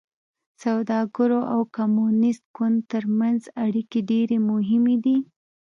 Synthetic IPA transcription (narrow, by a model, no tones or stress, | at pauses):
sawd̪ɑɡəɾoʔawkamunɪst̪̚kʊnd̪t̪əɾmanzaɽikeɖeɾemʊɦɪmed̪i